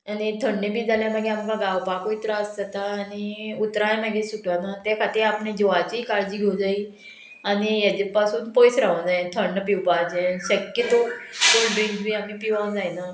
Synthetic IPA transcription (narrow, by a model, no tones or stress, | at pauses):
anit̪ʰəɳːebʱiːd͡zaljaməɡʱeamkaɡaʋpakoit̪ɾaəsd͡zat̪aːñiut̪ɾaẽmaɡesuʈʋanat̪akʰat̪iːɾapɳed͡ʑoʋat͡ɕiːkaɾd͡ʑiːɡʱowd͡zaiː | añijat͡ɕepasuːnpojsɾaʋə̃d͡zajẽt̪ʰəɳːəpiwpad͡ʑẽɕəkːət̪okolbẽɳkʋiamipiʋaʋ̃d͡zajna